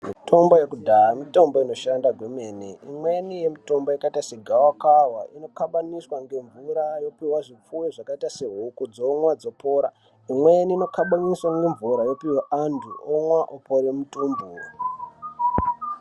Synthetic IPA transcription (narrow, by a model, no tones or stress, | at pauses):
mito̞mboje̞kudʱaamito̞mboino̞ʃandaɡweme̞ːneimwe̞nije̞mito̞mbojikaitaseɡʱawakawaʔino̞kaɓaniswaŋɡe̞ɱvuɾajo̞piwaʐip͡fuweʐakaitase̞ɦukud͡zoŋwad͡zo̞po̞ːɾa | imweniːnokaɓaniswaŋɡe̞ɱvuɾajo̞piwaʔandʱṵoŋwaʔopoɾemutuːmbu